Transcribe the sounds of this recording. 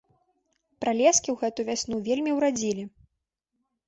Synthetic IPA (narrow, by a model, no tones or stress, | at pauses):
pɾalʲɛskʲiwɣɛt̪uvʲasʲnuvʲelʲmʲiwɾad͡zʲilʲi